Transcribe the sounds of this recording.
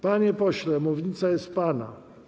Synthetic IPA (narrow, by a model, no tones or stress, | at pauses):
paɲɛpɔɕlɛmuvɲit̪sajɛst̪̚pana̰